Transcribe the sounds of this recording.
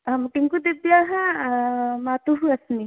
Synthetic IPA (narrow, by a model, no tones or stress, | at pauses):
ɦɐmʈiŋkud̪ebjaɦɐ | maːt̪uɦuɐsni